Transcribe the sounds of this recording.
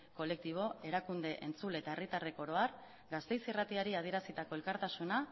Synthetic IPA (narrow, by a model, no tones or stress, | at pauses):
ko̞le̞k̚t̪iβ̞o̞e̞ɾakund̪e̞ʔent͡sule̞t̪ae̞rit̪are̞ko̞ɾo̞aɾ | ɡast̪e̞jsirat̪iaɾiað̞ie̞ɾasit̪ako̞e̞lkaɾt̪asuna